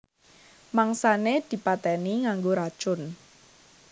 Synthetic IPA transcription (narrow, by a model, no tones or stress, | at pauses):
maŋsaned̪̥i̤pat̪ɛniŋaŋɡoɾad̥ʒ̥ʊn